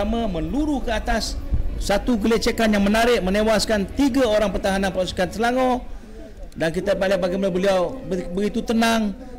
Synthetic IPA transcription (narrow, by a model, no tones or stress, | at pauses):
amamənluɾuhkəat̪asːat̪uɡəlet͡ʃakanjaŋmənaɾɪʔmənewaskant̪iɡaoɾaŋpərt̪aɦananpəsi̥kansəlaŋo | dankit̪abalabaɡajmanabəliawbəɡit̪ut̪ənaŋ